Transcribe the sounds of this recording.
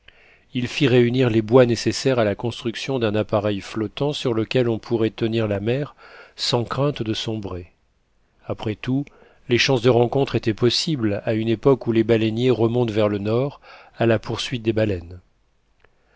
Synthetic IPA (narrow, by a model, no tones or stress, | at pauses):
ilfiʁeyniʁlebwanesesɛʁalakɔ̃st̪χyksjɔ̃d̪ɛ̃napaʁɛjflɔt̪ɑ̃syʁləkʲɛlɔ̃pʰuʁɛt̪əniʁlamɛʁsɑ̃kχɛ̃t̪d̪əsɔ̃bʁe | apχɛt̪u | leʃɑ̃sd̪əʁɑ̃kɔ̃t̪χet̪ɛpɔsiblaynepɔkulebalɛnjeʁəmɔ̃t̪vɛʁlənɔʁalapuʁsɥit̪̚d̪ebalɛn